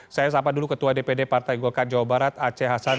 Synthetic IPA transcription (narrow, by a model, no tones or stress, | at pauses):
sajas̬apadulukət̪uwadepedepart̪ajɡɔkad͡ʒawabaɾat̪at͡ʃɛɦasa